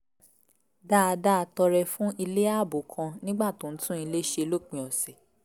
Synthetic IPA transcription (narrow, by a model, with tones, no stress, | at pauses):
da˦a˧da˦˨a˧tɔ˧ɾɛ˧fũ˦ʔi˧le˦a˦˨bo˨kʰã˧nĩ˦ɡ͡ba˦˨tõ˨n̩˦tũ˦i˧le˦ʃe˧lo˦˨k͡pĩ˨ɔ˨sɛ˨